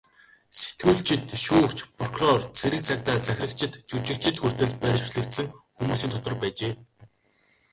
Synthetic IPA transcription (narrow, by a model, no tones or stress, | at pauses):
se̥t̪ɡuːɮt͡ɕɪ̆t̪ʃuːɵkt͡ɕpʰrɔkrɔrt͡sʰeɾɘ̆k̚t͡sʰakt̪aːt͡sæxʲɪ̆rə̆kt͡ɕʰɪ̆t̪t͡ɕut͡ɕɪ̆kt͡ɕʰɪ̆t̪xur̥t̪ɘ̆ɮpæ̥t͡ɕɮɘ̆kt̪sɘ̆ŋxumuːsiːnt̪ʰɔt̪ɞ̆rpæːt͡ɕeː